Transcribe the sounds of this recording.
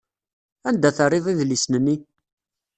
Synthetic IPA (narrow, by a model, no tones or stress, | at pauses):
ænd̪æθərˤːɪvˤiðlisnənːi